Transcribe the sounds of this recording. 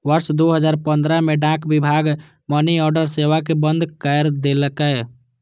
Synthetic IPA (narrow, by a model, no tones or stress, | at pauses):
ʋəɾʃd̪oɦəd͡ʒaːɾpə̃nd̪ɾəmeɖãːkbɪbʱaːɡ | məniɔːɾɖəɾseʋakebənd̪ʱkəɾd̪eləkə